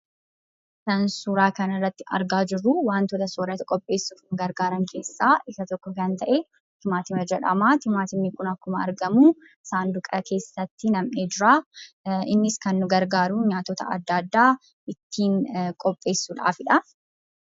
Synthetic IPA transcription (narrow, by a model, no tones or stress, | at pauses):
sɐnsuːɾaːkɐnɐrːɐt̪ːɪɐ̰ɾɡaːd͡ʒɪrːuwaːnt̪ɔːt̪ɐsoːɾɐt̪kʼɔpʼːe̞ːsːufnʊɡɐɾɡaːɾɐŋkʰe̞ːsːaːʔɪkɐt̪ɔkːɔkɐnt̪ɐʔe | t̪ɪmaːt̪ɪmɐd͡ʒɛᶑɐ̰maːt̪ɪmaːt̪ɪmnɪkʊnɐkːʊmɐ̰ːɾɡɐmuː | ɪsaːnd̪ʊkʼɐke̞ːsːɐt̪ːɪnɐmʔeːd͡ʒɪɾaː | ɪnːɪskɐnːʊɡɐɾɡaːɾuɲaːt̪ːɔt̪ɐ̰ɐ̰d̪ːaːd̪ːaː | ɪt̪ʰːiːŋkʼɔpʼːe̞ːsːuːᶑa̰ːfɪᶑɐ